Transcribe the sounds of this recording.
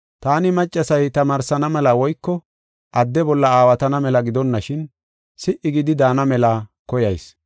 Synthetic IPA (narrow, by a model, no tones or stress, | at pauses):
t̪aːnɪmɐt͡ʃʼːɐsɐjt̪ɐmaːɾsɐnɐmɛlɐwɔjkːɔ | ʔɐd̪ːɛbɔlːɐaːwɐt̪ɐnɐmɛlɐɡɪd̪ɔnːɐʃɪn | sɪʔːɪɡɪd̪ɪd̪aːnɐmɛlɐkɔjɐjs